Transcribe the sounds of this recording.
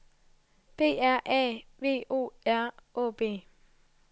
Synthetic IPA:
b̥e̝̰ːɛɐ̰ʔɛ̰ʋe̝̰ːʔo̰ːɛɐʔo̰ːb̥e̝̰ː

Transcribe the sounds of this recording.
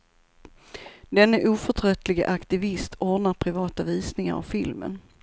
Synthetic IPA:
d̪ɛnːəʔuːfœʈʰɾœt̪ʰlɪɡə̰ʔakt̪ɪvɪst̪ʰɔɖnaɾpʰɾɪvɑːt̪aviːsnɪŋa̰ɾa̰vfɪlmə̰n

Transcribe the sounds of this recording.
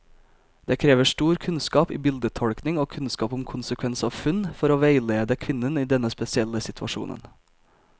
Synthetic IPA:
d̪eːkʰɾeːʋəʂʈuːɾkʰʉnskɑːpḭːbɪld̪ət̪ʰɔɽknɪŋoːkʰʉnskɑːpʊmkʰʊnsəkʰʋɛnsɑːʋfʉnfɔɾoːʋæɪleːd̪əkʰʋɪnəniːd̪ɛnəspɛsɪɛləsɪt̪ʰʋɑ̰ʃṵːnə̰n

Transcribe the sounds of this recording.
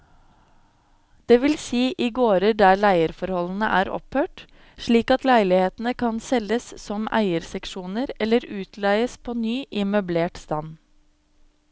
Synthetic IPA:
d̪̥eːʋɪlsiːʔiːɡoːɾəɖæːɭæɪəɾfɔɾhɔln̩əʔæːɾɔ̰phøːʈ | ʃɭiːkɑt̪læɪlɪheːt̪n̩əkʰɑnsɛləssɔmæ̰ɪəɾsɛkʃuːnəɾɛləɾʉːt̪ʰlæɪəspʰoːnyːʔɪmœbleːʈst̪ɑn

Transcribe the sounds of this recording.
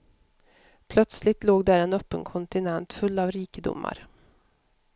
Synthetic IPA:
pʰlœt̪slɪt̪loːɡd̪æːɾɛnœpːənkʰɔnt̪ɪnɛnt̪fɵlːɑːvɾiːkəd̪ʊ̰mːa̰ɾ

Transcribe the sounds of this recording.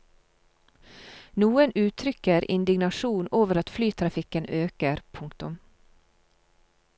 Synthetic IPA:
nuːənʉːt̪ʰɾʏkəɾʔɪ̰nd̪ɪɡnɑʃuːnoːʋəɾɑt̪flyːt̪ʰɾɑfɪkənøːkəɾpʰʊŋkt̪ʊm

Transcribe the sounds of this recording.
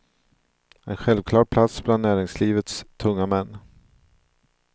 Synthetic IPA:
ɛ̰nɧɛlvkʰlɑːɾpʰlat̪sbland̪næːɾɪŋsliːvət̪st̪ʰɵŋːamɛnː

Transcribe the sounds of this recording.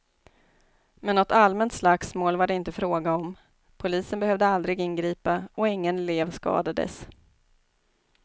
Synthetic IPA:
mɛnːɔt̪almɛnt̪slaksmoːlvaɖɛɪnt̪əfɾoːɡaɔm | pʰʊliːsənbɛhœvd̪əald̪ɾɪɡɪnɡɾiːpaɔɪŋːənleːvskɑ̰ːd̪ad̪ə̰s

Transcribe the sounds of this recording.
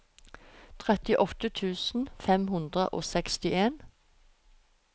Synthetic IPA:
t̪ʰʁɛt̪ɪʔɔt̪ət̪ʰʉːsn̩fɛmhʉnd̪ʁəʔo̰ːsɛkst̪ɪʔeːn

